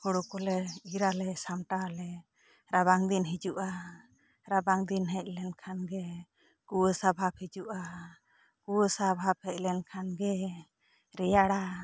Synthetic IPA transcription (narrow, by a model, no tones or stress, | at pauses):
kɔɽɔkɔlɛiɾalɛsamʈalɛ | ɾaβaŋd̪inɦid͡ʒuʔa | ɾabaŋd̪inɦɛc̚ˀlɛnkʰanɡɛ | kuwəsabʱap̚hid͡ʒuʔa | kuwəsabʱap̚hɛc̚ˀlɛnkʰanɡɛ | ɾɛjaɽa